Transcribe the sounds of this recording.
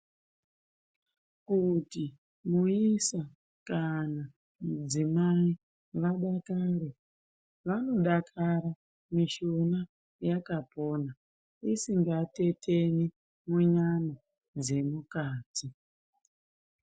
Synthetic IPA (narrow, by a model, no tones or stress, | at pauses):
kuti | muisa | kana | mud͡zimai | ʋaɗakaːɾe | ʋano̞ɗakʰaɾa | miʃona | jakapo̞ːna | isiŋɡate̞tʰe̞ni | muɲana | d͡ze̞mukaːtʰi